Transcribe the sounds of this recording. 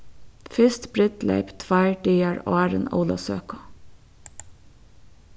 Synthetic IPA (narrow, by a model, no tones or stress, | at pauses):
fɪst̪b̥ɾɪt̪lḛɪpt̪ʰʋæɪɖiːɑɹo̰æːɾə̰no̰ʊlɑsøːkʊ̥